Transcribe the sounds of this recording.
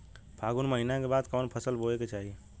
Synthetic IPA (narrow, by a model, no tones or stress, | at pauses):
pʰaɡunməɦinakebad̪kɔːnpʰəsəlbʱoeket͡ʃaɦie